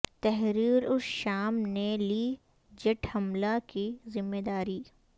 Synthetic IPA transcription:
t̪ɛɦɾiːɾʊsʃaːmneliː | d͡ʒɐʈʰhɐmlakizɪmːeːd̪aːɾiː

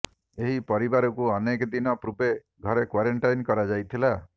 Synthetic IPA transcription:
eɦipɔɾibaɾɔkuɔnekd̪inɔpɾube | ɡʱɔɾekwaɾeɳʈajnkɔɾad͡ʒajt̪ʰila

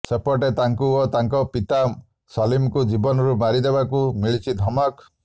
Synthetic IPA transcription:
sepɔʈet̪aŋkuɔt̪aŋkɔpit̪a | sɔlimkud͡ʒibɔnɔɾumaɾid̪ebakumiɭit͡ʃʰid̪ʱɔmɔk

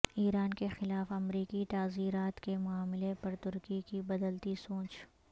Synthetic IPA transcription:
iːɾaːnkexɪlaːfɐmɾiːkit̪aːziːɾaːt̪kemʊaːmɪlepɐɾt̪ʊɾkikibɐd̪əlt̪isõːt͡ʃ

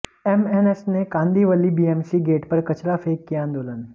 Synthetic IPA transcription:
emenesnekãːnd̪ʱiːʋəlːibiemsiɡeːʈpəɾkɐt͡ɕɾafʰeːkːijãːnd̪oːlən

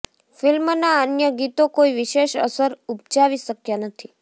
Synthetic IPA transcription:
filmnaənjəɡit̪okoiʋiʃeʃə̰səɾup̚t͡ʃaʋiʃəkjanət̪ʰi

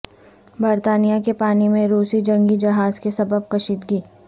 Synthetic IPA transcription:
bɐɾt̪aːnijakepaːnimẽɾuːsid͡ʒɐ̃ŋɡid͡ʒɐɦaːzkesɐbəb̚kɐʃiːt̪ɡiː

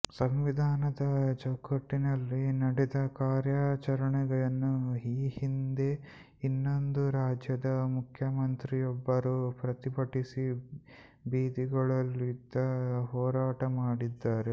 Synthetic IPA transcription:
sɐmʋid̪ʱaːnɐd̪ɐt͡ʃɐkːɐʈːinɐlːinɐɽɛd̪ɐkaːɾjaːt͡ʃɐɾɐɳɛɡɐɭɐnːuiːhind̪e̞ | inːo̞nd̪uɾaːd͡ʒjɐd̪ɐmukʰjɐmɐnt̪ɾijɔbːɐɾupɾɐt̪ibɐʈisi | biːd̪iɡɐɭɐlːid̪ɐɦɔːɾaːʈɐmaːɽid̪ːaːɾe

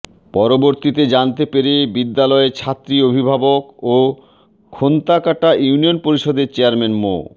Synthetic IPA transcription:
pɔɾoboɾt̪it̪ed͡ʑant̪epeɾebid̪ːalɔet͡ɕʰat̪ːɾiobʱibʱaboko | kʰont̪akaʈaʔjuunionpoɾiʃɔd̪eɾt͡ɕeaɾmenmo̰

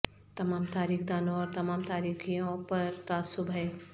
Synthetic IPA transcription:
t̪ɐmaːmt̪aːɾiːkʰd̪aːnõɔːɾt̪ɐmaːmt̪aːɾiːkʰijõpɐɾt̪aːsʊbɦɛe

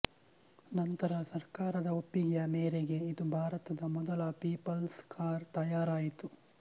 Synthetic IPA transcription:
nɐnt̪ɐɾɐsɐɾkaːɾɐd̪ɐopːiɡjɐmeːɾeɡe̞id̪ubʱaːɾɐt̪ɐd̪ɐmɔd̪ɐlɐpiːpɐlskaːɾt̪ɐjaːɾaːjit̪u

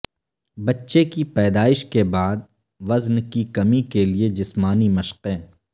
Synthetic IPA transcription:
bɐtːʃekipɛːd̪aːɪʃkebaːd̪̚ | ʋɐznkikɐmikelied͡ʒɪsmaːnimɐʃqẽː

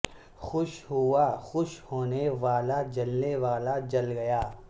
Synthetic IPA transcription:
xʊʃɦʊaxʊʃhoːneʋaːlad͡ʒɐlneʋaːlad͡ʒɐlɡɐjaː

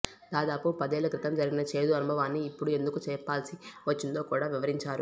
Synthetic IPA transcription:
d̪aːd̪aːpupɐd̪eːlɐkɾɪt̪ɐmd͡ʒɐɾiɡinɐt͡ʃe̞ːd̪uɐnubʱɐʋaːnːiːpːuɽue̞nd̪ukut͡ʃɛːpːaːlsiʋɐt͡ʃːint̪o̞ːkuːɽaːʋiʋɐɾiɲt͡ʃaːɾu

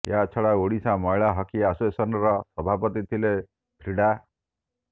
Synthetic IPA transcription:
jat͡ʃʰɔɽaoɽisãmɔjɭaɦɔkiasesɔnɾɔsɔbʱapɔt̪it̪ʰile | p̪ʰɾiɽa

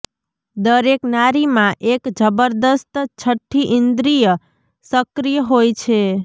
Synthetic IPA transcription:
d̪əɾeknaɾimãʔekd͡ʒəbəɾd̪əst̪t͡ʃʰəʈʰːiʔɪnd̪ɾijə | səkɾijəɦojt͡ʃʰe

